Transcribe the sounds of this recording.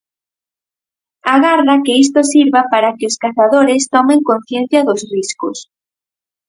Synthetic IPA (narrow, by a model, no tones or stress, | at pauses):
aɣaɾðakɪis̬t̪osiɾβapaɾakɪoskaθaðoɾɪst̪ɔmeŋkõn̟θjen̟θjɐðʊsriskʊs